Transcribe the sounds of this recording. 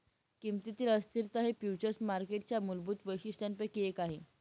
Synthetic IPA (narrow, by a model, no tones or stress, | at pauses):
kimt̪it̪iːləst̪iɾt̪əɦefjut͡ɕəɾsmaɾkeʈ̚t͡ɕjamulbuːt̪ʋəjɕiɕt̪anpəkiekaɦe